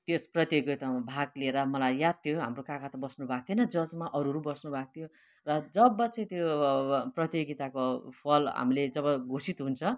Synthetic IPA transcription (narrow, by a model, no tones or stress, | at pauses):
t̪josprʌt̪joɡit̪amabʱaɡlieɾʌmʌlajːat̪̚t̪ʰjoɦa̰mrokakat̪ʌbʌsnubʱak̚t̪ʰinʌd͡zʌd͡zmaʔʌɾuɾubʌsnubʱak̚t̪ʰijo | rʌd͡zʌbʌt͡sʌĩt̪joprʌt̪joɡit̪akopʰʌlɦa̰miled͡zʌbʌɡʱosit̪ɦunt͡sʰʌ